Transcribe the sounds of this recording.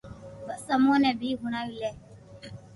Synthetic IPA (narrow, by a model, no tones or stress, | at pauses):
bəsəmõːnɛ̃ːbʱiːɡʊɽ̃aːiːlɛː